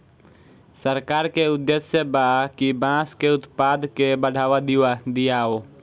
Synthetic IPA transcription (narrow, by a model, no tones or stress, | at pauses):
səɾkaːɾkeʊd̪ːesjəbakibãːskeʊt̪paːd̪kebəɽ̤ʱaːʋad̪iwad̪ijaːoː